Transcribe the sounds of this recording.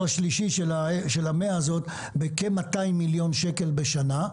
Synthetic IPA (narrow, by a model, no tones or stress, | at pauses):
aʃliʃiʃelameaazo̞t̪ | bekemːataimːiljo̞nʃeke̞lbeʃana